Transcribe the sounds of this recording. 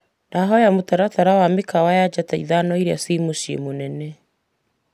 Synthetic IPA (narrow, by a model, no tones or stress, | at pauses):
naɦɔjamotaɾataɾawamekawajad͡ʒataiðanɔiɾea̰simoʃiḛmonɛnɛ